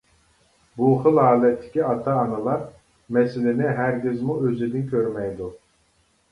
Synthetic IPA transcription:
buχɨlˠɑːlˠɛt̪ʰːɪ̥kʲiɑt̪ʰɑːnɨlˠɑɾ | mɛsɪlɪnɪɦæɾɡʲizmuøzɪd̪ɪnkʲʰøɾmɛjd̪u

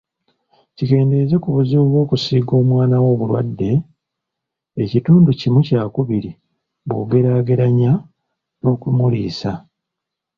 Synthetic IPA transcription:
cike̞ːnde̞ze̞kuβuziβuβwo̞ːkusiːɡo̞ːmwaːnawo̞ːβulwa̰dːe̞ | cituːnducimucaːkuβiɾi | βuɡe̞ɾaɡeɾaɲa | no̞ːkumulḭːsa

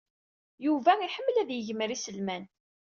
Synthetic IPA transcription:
juvæiħəmːəlæðjəʝməɾisəlmæn

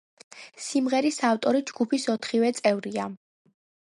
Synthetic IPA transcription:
simʁɛɾisaft̪ʼɔɾid͡ʒɡ̥upʰisɔt̪ʰχivɛt̪sʼɛvɾia

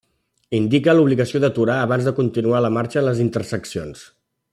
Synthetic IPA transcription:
ind̪ikəluβliɣəsioðət̪uɾaəβ̞anzðəkunt̪inualəmaɾt͡ʃələzint̪ərsəksions

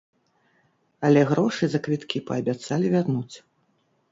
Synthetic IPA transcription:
ɐlʲɛɣɾɔʂɨzɐkvʲit̪kʲipɐːbʲat̪salʲivʲarnut͡sʲ

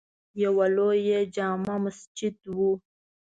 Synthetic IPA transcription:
jewalojed͡ʒɑːmamasd͡ʒɪd̪wu

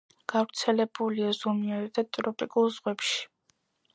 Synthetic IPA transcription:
ɡ̥avɾt̪sʰɛlɛbuliazɔmiaɾɛt̪ʰat̪ʼɾɔpʼikʼulˠzʁwɛpʃi̥

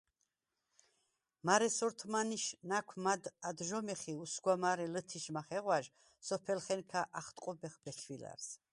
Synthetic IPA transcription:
maɾɛsɔɾt̪ʰmaniʃnakʷʰmad̪ad̪ʒɔmɛχiusɡwamaɾɛlət̪ʰiʃmaχɛʁwaʒ | sɔpʰɛlχɛnkʰaʔaχt̪ʼqʼɔbɛχbɛkʰvila̰ɾs

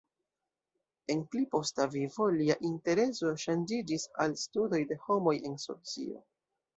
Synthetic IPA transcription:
e̞nplipo̞stavivo̞liaʔinte̞ɾe̞so̞ʃand͡ʒid͡ʒisalstudo̞jde̞ho̞mo̞je̞nso̞̰t͡sḭo̞̰

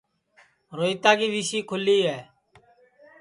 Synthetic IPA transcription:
ɾoːiːt̪aːɡiːʋiːʃiːkʰʊliːɦɛː

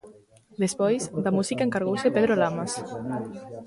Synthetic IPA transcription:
d̪espɔjzd̪amuzikaeŋkaɾɣowsepeðɾolamas

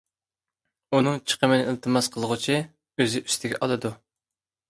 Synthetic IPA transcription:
unɨŋt͡ʃʰə̥qʰəmɪnɪilˠt̪ʰɨmɑsqʰəlˠəʁʊt͡ʃʰi | øzɪʔy̥st̪ʰɪɡʲɛ̰ʔɑlˠɨd̪u

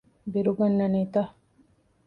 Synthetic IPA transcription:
biɾuɡɐnːɐniːt̪ɐ

